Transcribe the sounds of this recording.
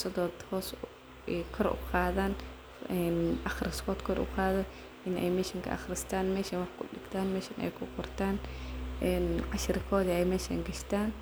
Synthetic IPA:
sɐðɔːd̪hɔːs | ɛjkʰɔɾʊ̰qɑːðaːn | ɛnʔɑxɾɪskʰɔːd̪kʰɔɾʔʊ̰qɑːðɔ | ʔɪnɛ̰jmɛːʃɐŋkʰɐ̰ʔɑ̰χɾɪst̪ʰaːnmɛːʃɐnwɑħkʰʊɗɪɡt̪ʰaːnmɛːʃɐnʔɛ̰jkʰʊqʊrt̪ʰaːnʔɛnʕɑʃɾkʰɔːðiɛjmɛːʃa̰ŋɡɐʃt̪ʰaːn

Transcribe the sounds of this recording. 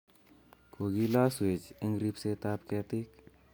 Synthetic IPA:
kʰoɡilaswet͡ʃɐŋɡɾipset̪ap̚kɛt̪ik

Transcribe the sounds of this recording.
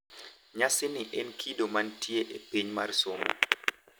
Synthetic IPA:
ɲasɪnɪʔɛnkʰidomantieʔepiɲmarsom̰

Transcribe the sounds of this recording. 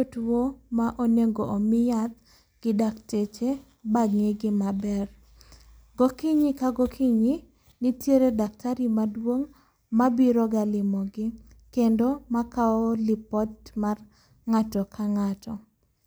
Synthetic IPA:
otwomaʔoneŋɡoʔomɪjat̪̚ | ɡ̥ɪdaktet͡ʃe | baɡŋeɡɪmabɛr | ɡokiɲikaɡokʰiɲi | nitjeɾedak̚tʰaɾimadwoŋ | mabiɾɔɡalɪmɔɡɪ | kendomakaɔlɪpɔtmar | ŋatɔkʰaŋatʰɔ

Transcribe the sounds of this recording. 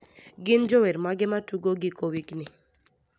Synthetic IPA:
ɡɪnd͡ʒɔwɛɾmaɡɛmatuɡoɡɪkowiknɪ

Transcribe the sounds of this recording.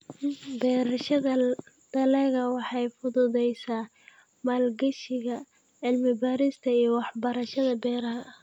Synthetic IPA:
bɛːɾɐʃɐðɐ | d̪̥ɐlɛːɣɐwɑħɑjfʊðʊðɛjsaː | maːlɡɐʃɪɣɐ | ʕɪlmɪbaːɾɪst̪ʰɐijɔwɑħbɐɾɐʃɐðɐbɛːɾɐɦɐʔ

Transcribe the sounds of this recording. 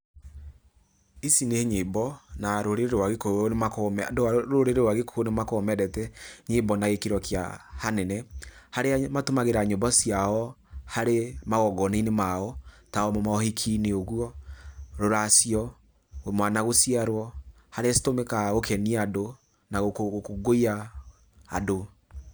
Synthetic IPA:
isineɲebɔnaɾoɾeɾeɾwaɣekonemakomɛdoaoɾeɾeɾwaɣeko̥onemakːmɛɾɛtɛɲebɔnaɣekiɾɔkja̰hanɛnɛhaɾeamatomaɣeɾaɲobasiaɔ | haɾemaɣɔɡɔneinemaɔ | taɔmɔmaɔhikʰineoɣuɔɾoɾasiɔ | mwanaɣosiaɾwɔ | haɾeasi̥tomekaɣokʰɛniado | naɣokokoɡoia | a̰do

